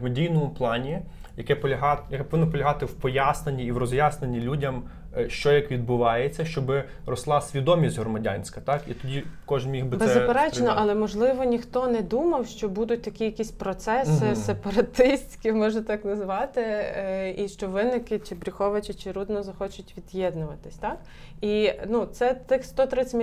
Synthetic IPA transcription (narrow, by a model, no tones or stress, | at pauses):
mɐdʲijnɔmʊplˠɑnʲi | jɐkɛpɔɦɑjɐkɛpɔʋɪnːɔpɔlʲɐɦɑt̪ɪwpɔjasnɐnʲːiːʋɾɔzjasnenʲːilʲudʲɐm | ʃt͡ʃɔjɐkʋʲid̪̚bʊʋɑjet͡sʲːɐʃt͡ʃɔbɪ | rɔslˠɑsʲʋʲid̪ɔmʲisʲtʲɦɾɔmɐdʲa̰nʲsʲkɐt̪ɑkit̪ɔdʲikɔʒnmʲixbɪbbɛzːɐpeɾɛt͡ʃnɔʔɐlˠɛmɔʒlˠɪʋɔnʲixt̪ɔnɛd̪umɐwʃt͡ʃɔbud̪ʊt̚ʲt̪ɐkʲijɐkʲisʲpɾɔt̪sɛsɪsepɐɾɐt̪ɪsʲtʲkʲimɔʒnɐt̪ɑknɐzʋɑt̪ɪ | iʃt͡ʃɔʋɪnɪkɪt͡ʃɪbɾʲixɔʋɐt͡ʃɪt͡ʃɪɾud̪nɔzɐxɔt͡ʃʊtʲʋʲid̪jɛd̪nʊʋɐt̪ɪsʲt̪ɑk | inut̪sɛt̪ɪxst̪ɔt̪ɾɪ